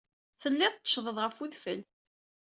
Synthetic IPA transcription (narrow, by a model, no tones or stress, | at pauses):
θəlːɪðˤt̪ːə̥ʃðˤəðˤʁəfuðfəl